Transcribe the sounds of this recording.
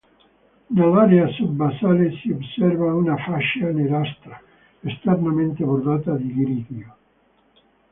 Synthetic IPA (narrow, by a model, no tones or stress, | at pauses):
nalaɾeasud̪basaːlesiobsɛrvaunafaʃaneɾast̪ɾa | est̪ernament̪eboɾd̪aːt̪ad̪iɡɾiðjo